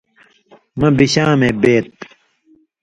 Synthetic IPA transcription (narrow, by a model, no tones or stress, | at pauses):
mɐ̃biɕaːmeːbeːt̪̚